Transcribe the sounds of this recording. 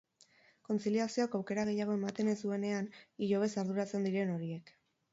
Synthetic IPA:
ko̞nt͡siliasio̞akawke̞ɾaɣ̞e̞jaɣ̞o̞e̞mat̪e̞ne̞zd̪ue̞ne̞aniʎo̞β̞e̞saɾðuɾat͡se̞nd̪iɾe̞no̞ɾie̞k

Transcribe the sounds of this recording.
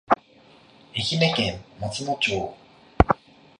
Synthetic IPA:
eçʲinekẽmːot͡sinot͡ɕoː

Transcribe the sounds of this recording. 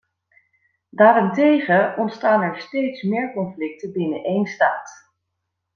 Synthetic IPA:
daːɾɪntejχəɔntstaːnɛɹstejtsmɪːɹkɔnflɪk̚təbɪnəʔejnstaːt

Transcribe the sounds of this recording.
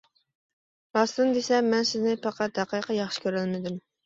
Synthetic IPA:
ɑst̪ɨnd̪esɛmɛnsɪznɪpɑqʰɑt̪̚hæqiqʰɑjɑχʃɪ̥kʲʰøɾælmɪd̪ɪm

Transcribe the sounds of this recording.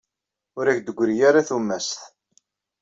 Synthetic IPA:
ʊɾæçd̪əɡʷːɾijaɾaθumːæsθ

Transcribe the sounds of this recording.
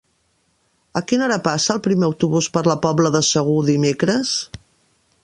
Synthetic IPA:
əkinəɾapasəːlˠpɾimeəwt̪uβuspəɾləpɔbləðəsəɣ̞uðimekɾəs

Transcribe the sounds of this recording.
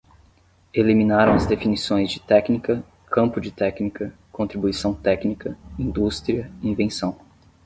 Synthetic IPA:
elimĩnaɾɐ̃w̃ɐzd̪efinisõj̃zd͡ʒɪt̪ɛknikɐ | kʰɐ̃mpʊd͡ʒɪt̪ɛknikɐ | kõnt̪ɾibuisɐ̃w̃t̪ɛknikɐĩnd̪ust̪ɾiɐĩvẽsɐ̃w̃

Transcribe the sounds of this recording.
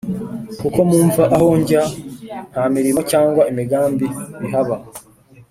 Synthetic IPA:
kuko̞muːɱvaʔaho̞ːɲɟan̥hamiɾimo̞caːŋɡwaemiɡaːmbiβiɦaβa

